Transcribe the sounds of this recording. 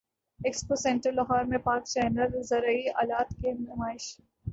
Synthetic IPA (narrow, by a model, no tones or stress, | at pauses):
eksposɛ̃ɳʈəɾlɐɦɔːɾmẽpaːkt͡ʃɛːnəlzɐɾəiaːlaːt̪kemnʊmaːɪʃ